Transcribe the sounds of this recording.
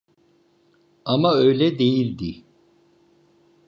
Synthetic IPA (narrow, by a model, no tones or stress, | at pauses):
amaø̞jlʲɛd̪ejilʲd̪i